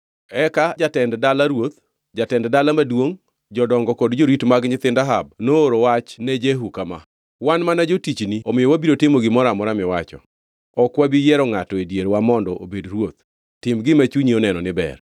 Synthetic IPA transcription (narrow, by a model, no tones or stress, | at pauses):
ɛkad͡ʒatɛnddalaɾwot̪ | d͡ʒatɛnddalamadwoŋ | d͡ʒɔdɔŋɡɔkɔdd͡ʒoɾitmaɡɲɪt̪ɪndaɦab̚noːɾowat͡ʃnɛd͡ʒeɦukama̰ | wanmanad͡ʒotit͡ʃniomɪjɔwabiɾotɪmoɡɪmɔɾamɔɾamɪwat͡ʃɔ̰ | ɔkwabijɛɾɔŋatɔedjeɾwamɔndɔʔobedrwot̪̚ | tɪmɡɪmat͡ʃuɲionɛnɔnɪbɛ̰r